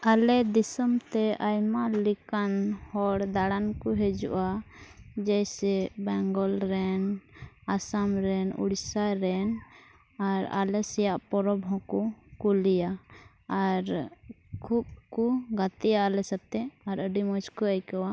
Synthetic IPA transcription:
alɛd̪isɔmt̪ɛʔajmalikanhɔɽd̪aɽankɔɦɛd͡ʒṵʔa | d͡ʒɛjsɛbɛŋɡɔlɾɛnasamɾɛnṵɽsaɾɛn | aɾa̰lɛsɛjaʔpɔɾɔbɔ̃kɔkulijaː | ɾ | kʰub̚kuɡat̪ijaːlɛsat̪ɛaɾəɖimɔd͡ʒkɔəjkɔwa

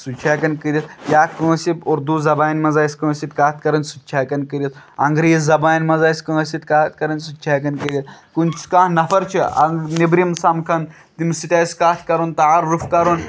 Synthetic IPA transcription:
sut͡ʃʰaːkɐnkɨɾit̪jaːkũsiboɾd̪uzɐbaːnmɐzaːsʲkɨɐsit̪̚kaːt̪ʰkɐɾɐnʲsut͡ʃʰaːkɐnkɨɾʲɐt̪ | ɐŋɡɾiːzɐbaːjnmɐzaːsʲkɐɐsit̪kat̪̚kɐɾɐnʲsut͡ʃʰaːkɐnkəɾʲjɐt̪kunt͡ʃʰkaːɦnɐfɐɾt͡ʃʰiɐ̰ɡnibɾimsɐmkʰɐn | t̪imsiʈʲaːsʲkaːt̪ʰkɐɾont̪ɐaɾufkɐɾoːn

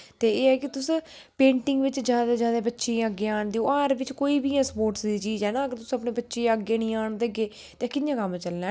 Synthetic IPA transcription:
t̪eːeːɛːkɪt̪ʊs | pẽːɳʈɪŋɡʋɪt͡ʃd͡ʒjaːd̪aːd͡ʒjaːd̪aːbətːʃẽːəɡːeːaːɳd̪iːoːaːɾʋɪt͡ʃkoːiːbiːɛ̃ːspoːɾʈsd̪iːt͡ʃiːzɦɛːnaːəɡəɾt̪ʊsːəpneːbətːʃeːəɡːeːnĩːaːɳd̪eːəɡeː | t̪ẽːkɪjãːkəmt͡ʃəlnaː

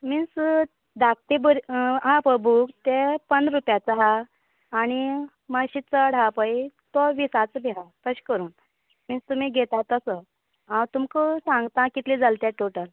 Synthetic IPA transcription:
mins | d̪ak̚t̪ibəɾɦãpəbʱukt̪epənd̪ɾupjat͡səɦaː | ñi | maɕit͡səɽ̤apəjt̪ɔʋisat͡sbiɦapəɕkəɾuːn | minst̪um̤iːɡʱet̪at̪əsə | ɦãwt̪umkəsãŋɡt̪ãkit̪lid͡zalt̪jaʈoʈəl

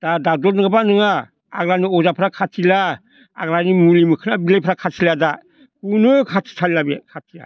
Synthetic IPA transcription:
d̥adadɔɾnɯŋabanɯŋa̰ː | ɡɾaniɔzapʰɾakʰatʰila̰ː | ɡɾanimulimɯkʰɯnabilejpʰɾakʰatʰilada | punɯkʰatʰi̥tʰalilabekʰatʰila̰

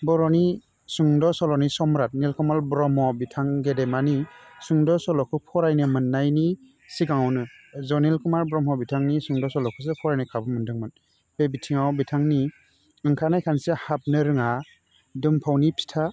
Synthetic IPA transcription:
bɔɾɔni | suŋdɔsɔlɔnisɔmɾat̚nilkumaɾbɾɔmɔbitʰaŋɡedemanisuŋdɔsɔlɔkʰɯpʰɔɾajnɯmɯnːajni | siɡaŋɔwnɯzɔnilkumaɾbɾɔmhɔbitʰaŋnisuŋdɔsɔlɔkʰɯs̬epʰɔɾajnɯkʰabɯmɯndɯŋmɯn | bebitʰiŋawbitʰaŋni | ɯŋkʰanajkʰansehap̚nɯɾɯŋa | dɯmpʰawnipʰi̥tʰa

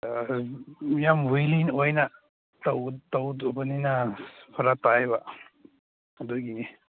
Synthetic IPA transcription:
jamwujlinojnɐ | tawtawdabaninapʰɐɾatajβa | doɡini

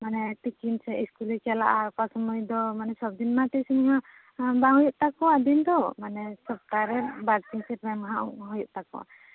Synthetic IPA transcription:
manɛtikinsɛiskulikala̰ʔakasɔmɔjd̪ɔmanɛsɔb̚d̪inmat̪ɛsiniɦa | baɦɔjɔʔt̪akɔad̪ind̪ɔmanɛsɔp̚t̪aɾɛbaɾt̪iŋsɛpɾɛmɦaʔṵɦɔjɔʔt̪akɔ̰

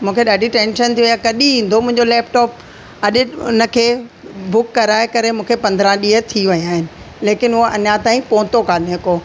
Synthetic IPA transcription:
mũːkʰeɗaːɖʱiʈẽːnʃənt̪ʰiʋijakɐɗĩɦĩːnd̪omʊ̃ɦɪ̃ɲd͡ʑolɛːpʈɔːp̚ | ɐɗɪʊ̰nəkʰeː | bʊkːɐɾaːekɐɾemũːkʰepɐ̃nd̪ɾãɗiːət̪ʰiʋɐjaːɦɪnɪ̆ | leːkɪnʊɦoʔɐɲat̪aːĩpõːt̪okaːɗeɦko

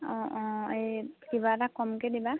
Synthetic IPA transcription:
ɔ̃ʔɔ̃ekibatakɔmkediba

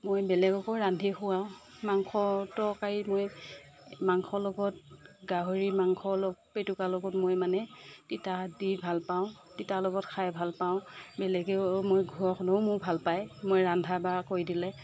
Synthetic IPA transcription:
mojbɛlɛɡɔkɔɹandʱixʊaʊ̃ | maŋxʰɔtɔkaɹimoj | maŋkʰɔlɔɡɔt̚ɡaɦoɹimaŋkʰɔlɔɡpetukalɔɡɔtmojmanɛtitadibʱalpaʊ̃ | titalɔɡɔtkʰajbʱalpaʊ̃bɛlɛɡɛmojɡʱuɔxnoʊmʊɹbʱalpajmojɹandʱabakoɹjdilɛ

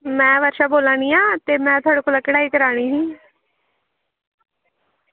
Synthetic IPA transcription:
mɛ̃ːʋəːɾʃaːboːlaːñiːãːt̪eːmɛ̃ːt̪ʰʊaːɽeːkoːlaːkəɽaːiːkəɾaːɽ̃iːsĩː

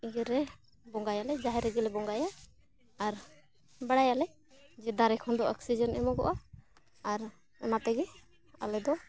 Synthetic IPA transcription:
iɡɛɾɛ | bɔŋɡajalɛd͡ʒaɦɛɾɛɡɛlɛbɔŋɡajaː | ɾ | baɽajalɛ | d͡ʒɛd̪aɾɛkʰɔnd̪ɔʔɔksid͡ʒɔnɛmɔɡɔ̰ʔaː | ɾ | ɔnat̪ɛɡɛ | a̰lɛd̪ɔ

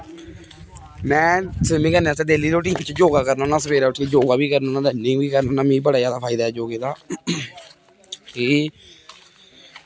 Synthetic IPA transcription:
mɛ̃ːsɪmĩːkənaːsɛːd̪eːliːɾoːʈ̬iːmt͡ʃd͡ʒoːɡaːkəɾnãnãːsəbeːɾaːʈʰːid͡ʒoːɡaːbiːkəɾnːnãːd̪enːẽːbiːkəɾnnãːmĩːbəɽaːd͡ʒjaːd̪aːpʰaːɪd̪aːɛːd͡ʒoːɡeːt̪aː | kɪ

